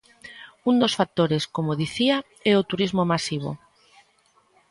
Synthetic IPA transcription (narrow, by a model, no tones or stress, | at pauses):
und̪osfak̚t̪oɾeskomoðiθia | ɛot̪uɾizmomasiβ̞o̰